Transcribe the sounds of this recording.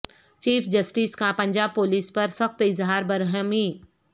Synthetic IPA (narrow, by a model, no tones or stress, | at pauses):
t͡ʃiːfʰd͡ʒɐsʈiːskãpɐ̃ɲʲd͡ʒaːb̚poːliːspɐɾsɐxt̪ɪzɦaːɾbɐɾɦəmi